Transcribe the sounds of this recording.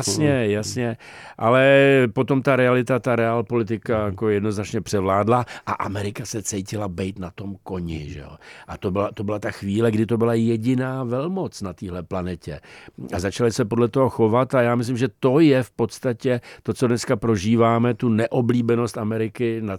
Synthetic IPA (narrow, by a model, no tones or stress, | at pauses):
sɲɛjasɲɛʔalɛpo̞t̪o̞mt̪aɾɛalɪt̪at̪aɾɛalpo̞lɪt̪̬ɪkajako̞jɛdno̞znat͡ʃɲɛpr̥ɛvlaːdlaʔaʔamɛɾɪkasɛt͡sɛjcɪlabɛjt̪nat̪o̞mko̞ɲɪ̰ʒɛ̰o̰ʔat̪obɪlat̪o̞bɪlat̪axviːlɛɡdɪt̪o̞bɪlajɛɟɪnaːvɛlmo̞t͡snat̪iːɦlɛplanɛcɛazat͡ʃalɪsɛpo̞dlɛt̪oɦo̞xo̞vat̪ajaːmɪs̬lɪmʒɛt̪o̞jɛfpo̞t̪st̪acɛt̪o̞t͡sodnɛskapɾo̞ʒiːvaːmɛt̪unɛʔo̞bliːbɛno̞st̪ʔamɛɾɪkɪna